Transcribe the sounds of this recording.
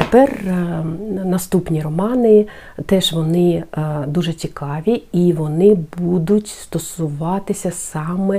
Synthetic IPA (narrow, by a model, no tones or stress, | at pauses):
t̪epɛr | nɐst̪upnʲirɔmɑnɪ | t̪ɛʒʋɔnɪd̪uʒɛt͡sʲikʰɑʋʲiiʋɔnɪbud̪ʊtʲst̪ɔsʊʋɑt̪ɪsʲɐsɑmɛ